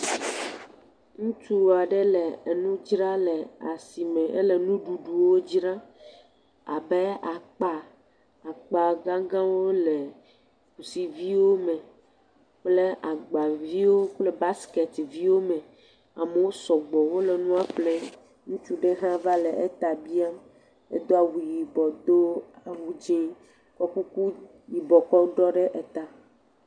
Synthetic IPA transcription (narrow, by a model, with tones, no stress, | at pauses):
ŋũ˦t͡ʃu˦wo˨a˨ɖɛ˦lɛ˨nũ˦d͡ʒɾa˦lɛ˨a˨si˨mɛ̃˨ʔɛ˦lɛ˨nũ˦ɖu˨ɖu˨wo˦d͡ʒɾã˦ | a̰˨bɛ˦a˨k͡pa˨ | a˨k͡pa˨ɡã˦ɡã˦wo˦lɛ˨ | ku˨si˨vi˦wo˦mɛ̃˨ | k͡ple˦ʔa˨ɡ͡ba˨vi˦wo˦k͡ple˦ba˦skɛ˨t̪vi˦wo˦me˨ | a˨me˨wo˦sɔ˨ɡ͡bɔ˨wo˦le˨nũ˦a˦ɸle˦ | ŋũ˦t͡ʃu˦ɖe˦ɦã˦va˦le˨ʔe˦t̪a˨bi˦a˦m | ḛ˦d̪o˦a˨wu˨ji˨bɔ˨d̪o˦a˨wu˨d͡ʒe˦ | kɔ˦ku˦ku˦ | ji˨bɔ˨kɔ˦ɖɔ˦ɖe˦ʔe˨t̪a˨